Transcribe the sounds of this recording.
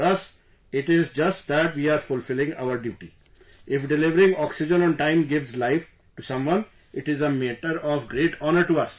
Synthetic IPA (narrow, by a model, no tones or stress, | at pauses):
ʌs | ɪʈɪzd͡ʒʌsʈ̚d̪æʈʋiːaːɾfʊlfɪlɪ̃ŋɡa̰ʊəɾɖjuːʈḭ | ɪfɖɪlɪʋəɾɪ̃ŋɔːksɪd͡ʒə̃nɔ̃ːnʈãɪ̃mɡɪʋzlaɪf | ʈusʌ̃mʋʌ̃n | ɪʈɪzəmẽʈəɾɔːʋɡɾeːʈʰɔːnəɾʈuɐs